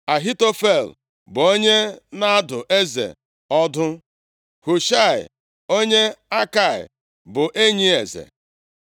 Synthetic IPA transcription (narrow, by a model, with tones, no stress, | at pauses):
a˨ɦi˦to˦fe˦˨l | bʊ˨o˦ɲe˦na˦a˦dʊ˨ʔe˦zḛ˨ | ɔ˦dʊ˦ | hu˨ʃa˦˨ɪ̰˨ | o˦ɲe˦a˦ka˨ɪ̰˨ | bʊ˨ʔe˦ɲi˦e˨zḛ˨